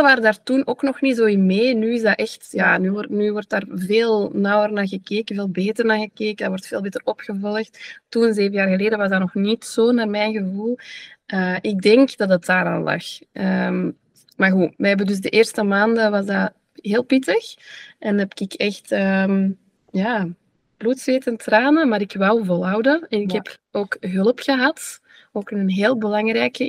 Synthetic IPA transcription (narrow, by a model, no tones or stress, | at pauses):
ʋaːɾədaːrtunoːknɔxnitzoːɪnmeːnyːɪzdɑʔɛxtjaːnyːɔnyːʋɔrtaːrveːlˠnɑwərnaːɣəkeːkəveːlˠbeːtərnaːɣəkeːkəndaːwʋɔrtfeːlˠbeːtərɔpxəvɔlˠəxttunzeːvəjaːrɣəleːdəʋɑzdarnɔxnitsoːnaːrmɛjnɣəvulˠəːʔɪɡ̚dɛŋkdɑdətaːɾaːnlɑ̰xʔəm | maːrɣuʋɛɦɛbəndʏzdəʔeːrstəmaːndəʋɑzda | ɦeːlˠpɪtəxɛnɛpkɪkɛxtəm | jaː | b̥luːtsʋeːtəntraːnəmaːɾɪkʋawvɔlˠɦɑwdəɛnɪkɦɛpoːkɦɵləpxəɦɑt | oːkɪnənɦeːlˠbəlɑŋrɛːkə